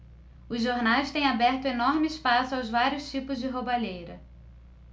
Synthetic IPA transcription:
ʊzʒːoɾnajst̪ẽj̃abɛɾt̪ʊenɔɾmɪɪspasʊawzvaɾiʊst͡ʃipʊzd͡ʒɪɦobaʎejɾɐ

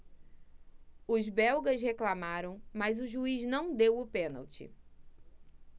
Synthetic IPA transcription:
ʊzbɛwɡɐsheklamaɾɐ̃w̃mɐzʊʒuiznɐ̃w̃d̪ewʊpẽna̰wt͡ʃɪ̰

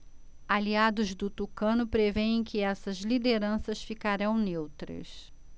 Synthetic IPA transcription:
aliad̪ʊzd̪ʊt̪ukɐ̃nʊpɾevẽẽj̃kɪɛsɐzlid̪eɾɐ̃sɐsfikaɾɐ̃w̃newt̪ɾɐ̰s

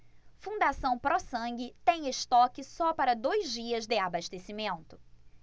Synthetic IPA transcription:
fũd̪asɐ̃w̃pɾɔsɐ̃ɡɪt̪ẽj̃est̪ɔkɪsɔpaɾɐd̪ojzd͡ʒiɐzd̪ɪabaʃt̪esimẽnt̪ʊ̥

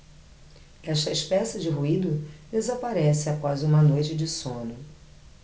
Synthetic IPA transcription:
ɛʃt̪ɐiʃpɛsɪd͡ʒɪɦuid̪ʊd̪ezapaɾɛsɪapɔzũmɐnojt͡ʃɪd͡ʒɪsõnʊ

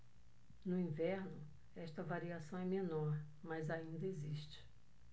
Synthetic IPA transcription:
nʊĩvɛɾnʊ | ɛʃt̪ɐvaɾiasɐ̃w̃ɛmenɔɾ | mɐzaĩnd̪ɐeziʃt͡ʃɪ̥

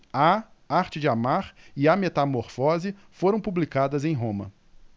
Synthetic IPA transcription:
ɐ | aɾt͡ʃɪd͡ʒɪamaɾɪamet̪amoɾfɔzɪfoɾɐ̃w̃publikad̪ɐzẽj̃ɦõmɐ̰

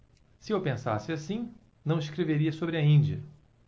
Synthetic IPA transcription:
sɪewpẽsa̰sɪasĩ | nɐ̃w̃ɪsʃkɾeveɾiɐsobɾɪɐĩnd͡ʒiɐ

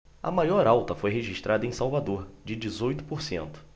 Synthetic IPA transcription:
ɐ̰majɔɾawt̪ɐfojɦeʒiʃt̪ɾʔad̪ɐẽj̃sawvad̪oɾd͡ʒɪd͡ʒizojt̪ʊ̥poɾsḛ̃nt̪ʊ̥

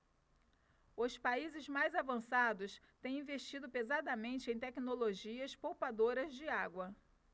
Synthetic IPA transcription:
ʊspaizɪzmajzavɐ̃sad̪ʊst̪ẽj̃ĩveʃt͡ʃid̪ʊpezad̪ɐmẽnt͡ʃɪẽj̃t̪ɛkinoloʒiɐspowpad̪oɾɐzd͡ʒɪaɡwɐ

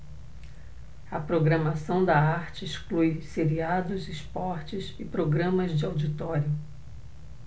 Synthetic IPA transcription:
ɐpɾoɡɾɐmasɐ̃w̃d̪ɐaɾt͡ʃɪisklujseɾiad̪ʊzɪspɔɾt͡ʃɪsɪpɾoɡɾɐ̃mɐzd͡ʒɪawd͡ʒit̪ɔɾjʊ

